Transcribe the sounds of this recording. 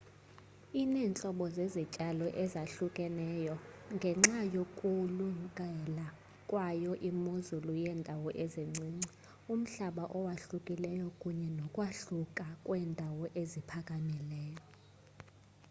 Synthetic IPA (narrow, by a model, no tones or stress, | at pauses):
inɛːnt͡ɬʼɔɓɔzezit͡ʃʼalɔʔɛzaɬukʼɛnɛjɔŋɡʱɛŋ͡ǁajokʼulukʼɛla | kʼwajɔʔimozulujɛːndʱawɔʔezeŋ͡ǀiːŋ͡ǀi | um̩ɬaɓaʔɔwaɬukʼilɛjɔkʼuɲɛnɔkʼwaɬukʼakʼwɛndʱawɔʔezipʰakʼamilɛːjɔ